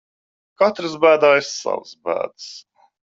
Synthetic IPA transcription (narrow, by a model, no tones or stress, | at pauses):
kat̪ɾɨzbæːd̪aːɪsːa̰vsbæ̰ːd̪s